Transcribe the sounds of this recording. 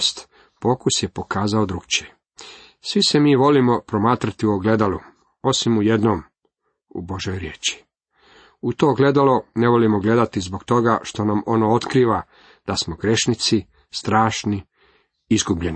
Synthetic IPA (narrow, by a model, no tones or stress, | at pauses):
st̪ | po̞ːkusjepo̞kaːzao̞d̪ɾuɡt͡ɕe | sʋise̞miːʋo̞limo̞pɾo̞maːt̪ɾat̪iuoɡle̞d̪alu | o̞simuje̞d̪nom | ṵbo̞ʒjojɾjeːt͡ɕi̥ | ut̪o̞ːɡle̞d̪alo̞ne̞ʋo̞limo̞ɡle̞d̪at̪izboɡt̪o̞ɡaʃt̪o̞namo̞noot̪kɾiːʋa | d̪̥asmo̞ɡɾe̞ʃnit̪si | st̪ɾaːʃni | izɡubʎe̞ni